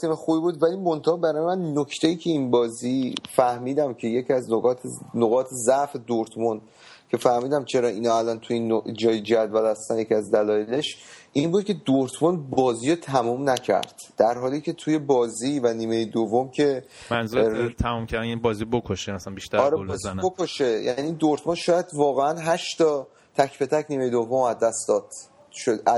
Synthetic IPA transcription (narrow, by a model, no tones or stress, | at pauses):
t̪imexubibud̪vælimont̪ʰɛɒbæɾɒːjemænːocʰt̪ʰejiːcʰe̞inbɒːzifæhmiːd̪æmcʰe̞jecʰiæznoɣɒːt̪ʰnoɣɒːt̪ʰezæʔfe̞d̪oɾt̪ʰmun | cʰe̞fæhmiːd̪æmt͡ʃʰe̞ɾɒːʔiːnɒːælɒnt̪ʰujinːod͡ʒɒːjed͡ʒæd̪vælæst̪ænjecʰiæzd̪ælɒːjeleʃʔinbuːd̪̚cʰe̞d̪oɾt̪ʰmunbɒːziːɾot̪ʰæmumnæcʰæ̰ɾd̪̥ːæɾɦɒːlicʰe̞t̪ʰuːje̞bɒːziːvæniːme̞jed̪ovːomcʰe̞ | mænzut̪ʰæmumcʰæɾd̪ænbɒːzibokʰoʃemæsænbiʃt̪æɾɒɾeznbokoʃejæ̰niind̪oɾt̪ʰmunʃɒːjæd̪vɒːɣe̞ænɦæʃt̪ʰɒː | t̪ʰæcʰpʰe̞t̪ʰæcniːme̞jed̪o̞vːomæzd̪ːæsd̪ɒːd̪̥ | ʃoæ